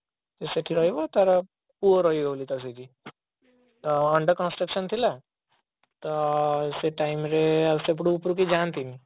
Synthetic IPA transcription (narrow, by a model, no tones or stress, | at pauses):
t̪eseʈʰiɾɔɦiʋɔt̪aɾɔ | puɾɔɦiolit̪as̬ed͡ʑi | t̪ɔːɳɖəɾkɔnsʈɾəkʃənt̪ʰila | t̪ɔseʈaimɾeəsep̬ɽuːpɾukid͡ʒant̪ini